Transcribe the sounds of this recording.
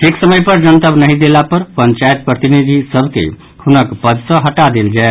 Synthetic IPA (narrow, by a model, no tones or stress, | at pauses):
ʈʰeksəməjpəɾd͡ʒənt̪əbnəɦĩd̪elapəɾpənt͡ʃajt̪̚pɾət̪inid̪ʱisəbʱkḛ | hʰunəkpəd̪sə̃ɦəʈad̪eld͡ʒae